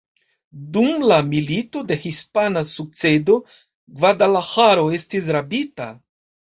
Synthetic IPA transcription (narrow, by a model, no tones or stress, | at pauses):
dumlamilito̞de̞hispanasuk̚t͡se̞do̞ | ɡvadalahaɾo̞e̞stis̬ɾabita̰